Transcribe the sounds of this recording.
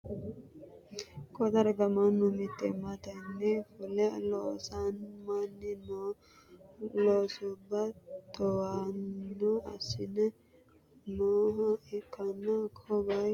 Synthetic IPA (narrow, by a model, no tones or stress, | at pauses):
kɔd̪ɐɾɡɐmanːʊmɪt̪ːɛmat̪ɐnːɛfʊlɛloːsanmanːɪn | loːsʊbːɐt̪ɔwanːɔɐ̰sɪnɛ | noːɦɐɪkʰːɐnːɐkʰɔbɐj